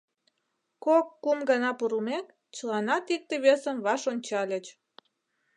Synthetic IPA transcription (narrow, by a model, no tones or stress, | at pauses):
kokːumɡənɑpuɾumek | t͡ɕəlɑnɑt̪ik̚t̪eβesəmβɑʃonʲt͡ɕɑlʲət͡ɕ